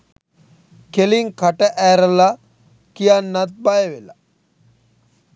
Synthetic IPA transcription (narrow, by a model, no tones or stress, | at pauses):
kʰeliŋkʰaʈəʔɛɾəla | kijanːat̪̚bajʋela